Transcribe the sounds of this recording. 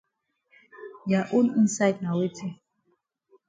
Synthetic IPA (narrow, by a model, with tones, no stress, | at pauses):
ja˨ʔu˦ni˦nsa˦jdna˨we˦tʰe˦